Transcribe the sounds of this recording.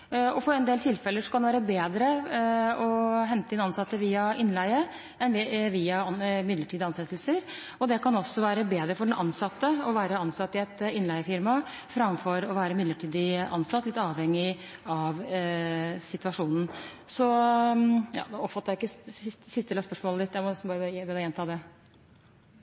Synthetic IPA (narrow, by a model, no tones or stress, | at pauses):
ɔfɔɾɛnd̪eːlt̪ʰɪlfɛləʂɔkʰɑnd̪ɛʋæːɾəbeːd̪ɾə | ɔɦɛnt̪əɪnɑnsɑt̪ːəʋiːɑɪnlæɪə | ɛnʋʋiːɑɑnmɪd̪ləʈʰiːd̪ɪɑnsɛt̪ːlsəɾ | ɔd̪ɛkɑnɔsːɔʋæːɾəbeːd̪ɾəfɔɖɛnʔɑ̰nsɑt̪ːəɔʋæːɾəɑnsɑt̪ːɪɛt̪ɪnlæɪəfɪɾmɑ | fɾɑmfɔɾɔʋæːɾəmɪd̪ləʈʰiːd̪ɪʔɑnsɑt̪ːlɪt̪ːɑːʋhɛŋːɪ | ɑʋ | sɪt̪ʉɑʂuːnn̩sɔ | jɑ̰ːd̪ɔpfɑt̪əæɪkːəɪssɪst̪əlɑspœʂmoːləd̪ɪt̪ːjæmɔbɑːɾəbɛːd̪əɛnt̪ʰɑːd̪ɛ